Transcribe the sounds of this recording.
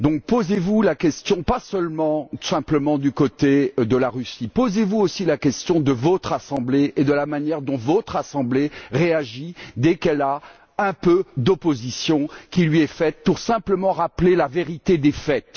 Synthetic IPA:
d̪ɔ̃k̚pozevulakʲɛst̪jɔ̃pasœlmɑ̃sɛ̃pləmɑ̃d̪ykot̪ed̪əlaʁysipozevuosilakʲɛst̪jɔ̃d̪əvɔt̪χasɑ̃bleed̪əlamanjɛʁd̪ɔ̃vɔt̪χasɑ̃bleʁeaʒid̪ɛkɛla | ɛ̃pød̪ɔpozisjɔ̃kʲilɥiɛfɛt̪̚puʁsɛ̃pləmɑ̃ʁaplelaveʁit̪ed̪efɛt̪

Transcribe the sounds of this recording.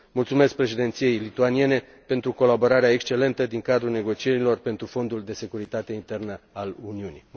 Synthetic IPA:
mult̪sume̞sk̚pɾe̞ʃid̪e̞nt̪sije̞jlit̪uanije̞ne̞ | pe̞nt̪ɾuko̞labo̞ɾaɾeaekst͡ʃe̞le̞nt̪əd̪iŋkad̪ɾulne̞ɡo̞t͡ʃie̞ɾilo̞rpe̞nt̪ɾufo̞nd̪uld̪e̞se̞kuɾit̪at̪e̞int̪e̞rnəaluniunḭ

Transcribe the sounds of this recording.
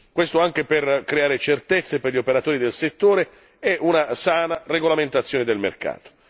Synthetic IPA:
kwest̪oaŋk̟eperkɾeaːɾet͡ʃert̪et̪sːeperʎiopeɾat̪oːɾid̪elset̪ːoːɾe | ɛʔunasaːnareɡolament̪at̪sːjoːned̪elmḛrka̰ːt̪o̥

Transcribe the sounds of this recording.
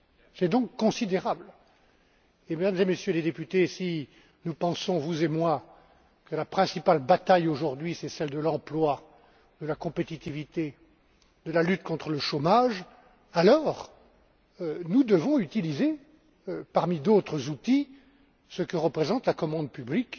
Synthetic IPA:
sɛd̪ɔ̃kːɔ̃sid̪eʁabl | emed̪amzemesjøled̪epyt̪esi | nupɑ̃sɔ̃vuzemwa | kəlapχɛ̃sipalbat̪ajoʒuʁd̪ɥisɛsɛld̪əlɑ̃plwa | d̪əlakɔ̃pet̪it̪ivit̪e | d̪əlalyt̪kɔ̃t̪χələʃomaʒ | alɔːʁ | nud̪əvɔ̃yt̪ilize | paʁmid̪ot̪χəzut̪i | səkəʁəpχezɑ̃t̪lakɔmɑ̃d̪̚pyblik

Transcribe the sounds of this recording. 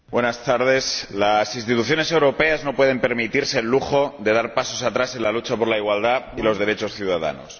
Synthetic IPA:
bwe̞nast̪aɾð̞e̞slasinst̪it̪uθjo̞ne̞se̞wɾo̞pe̞azno̞pwe̞ð̞e̞mpe̞ɾmit̪iɾse̞ːlːuxo̞ðe̞ðaɾpaso̞sat̪ɾase̞nlalut͡ʃapo̞ɾlaiɣwald̪ailo̞zðe̞ɾe̞t͡ʃo̞sθjuð̞aða̰no̰s

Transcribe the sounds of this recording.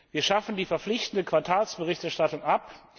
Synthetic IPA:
viːɐʃafn̩diːfɛɐflɪçtn̩dəkʰv̥aɐtʰaːlsb̥əʁɪçtɛɐʃtatʊŋʔap

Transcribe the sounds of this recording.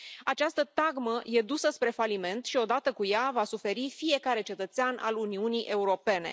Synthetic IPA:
at͡ʃast̪ət̪aɡməje̞d̪usəspɾe̞falime̞nt̪ʃio̞d̪at̪əkujavasufe̞ɾifije̞kaɾe̞t͡ʃe̞t̪ət̪seanʔa̰luniunijʔe̞uɾo̞pe̞ne̞̰

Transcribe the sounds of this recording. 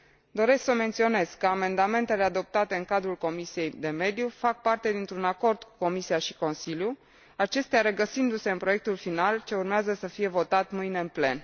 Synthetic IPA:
d̪o̞ɾe̞sksəme̞nt̪sio̞ne̞skːəame̞nd̪ame̞nt̪e̞le̞ad̪o̞p̚t̪at̪e̞ɨŋkad̪ɾulko̞misije̞jd̪e̞me̞d̪jufak̚part̪e̞d̪int̪ɾunako̞rd̪̥ku̥ko̞misiaʃi̥ko̞nsilju | at͡ʃe̞st̪eaɾeɡəsind̪use̞ɨnpɾo̞je̞k̚t̪ulfinalt͡ʃe̞urmeazəsəfije̞vo̞t̪at̪mɨjne̞ɨnple̞n

